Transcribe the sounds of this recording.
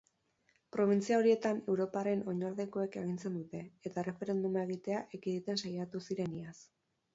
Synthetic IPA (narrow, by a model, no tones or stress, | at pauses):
pɾo̞β̞int͡siao̞ɾie̞t̪ane̞wɾo̞paɾe̞no̞ɲaɾðe̞ko̞e̞ke̞ɣ̞int͡se̞nd̪ut̪e̞et̪are̞fe̞ɾe̞nd̪umae̞ɣit̪e̞aʔekiðit̪e̞nsajat̪usiɾe̞nias